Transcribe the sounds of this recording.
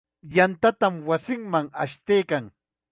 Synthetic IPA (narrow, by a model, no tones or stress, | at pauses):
jant̪at̪amwasɪŋmaŋa̰ʃt̪ejkaŋ